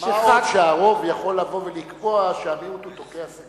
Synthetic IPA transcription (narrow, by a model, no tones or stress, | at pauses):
ʃeχadʃeaʁo̞vjaχo̞lːavo̞velikboaʃeaviot̪ot̪okease